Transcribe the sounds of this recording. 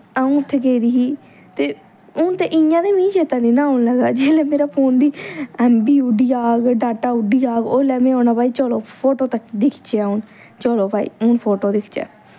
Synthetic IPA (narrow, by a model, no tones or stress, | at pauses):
aːũːʊt̪ʰːeːkeːid̪iːɦiː | t̪eː | ʊnt̪eːʔɪjãːd̪eːmĩːʃeːt̪ãːnĩːnãːoʊnləɡd̪aːd͡ʒeːlɛːmeːɾaːpʰoːnd̪iːɛːmbiːuɖiːaːɡɖaːʈaːʊɖiːaːɡoːlɛːmẽːoːnaːpaːiːt͡ʃɔːloːpʰoːʈoːt̪əkːd̪ɪkʰt͡ʃeːʊn | t͡ʃɔːloːpaːḭːʊnpʰoːʈoːd̪ɪkʰt͡ʃɛ̰ː